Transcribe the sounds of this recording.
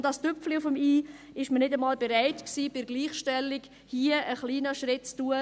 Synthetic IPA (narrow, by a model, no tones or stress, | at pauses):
ndɑstʏpfliʊfəmiː | ɪʃmənɪdəmɑːlbeɾaɪtksiːb̥ɪɾɡliːχʃtɛlːiɡ | hiːəʔəχliːnəʃɾɪtt͡stuːə